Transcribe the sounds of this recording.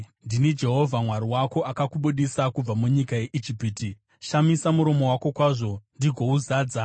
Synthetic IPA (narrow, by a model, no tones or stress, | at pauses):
ndinid͡ʒe̞ɦo̞vʱamwaɾiwako̞ʔakakuɓuɗisakub͡vamuɲikaje̞ʔid͡ʒipiti | ʃamisamuɾo̞mo̞wako̞kwaʐo̞ndiɡʱo̞uzaːd͡za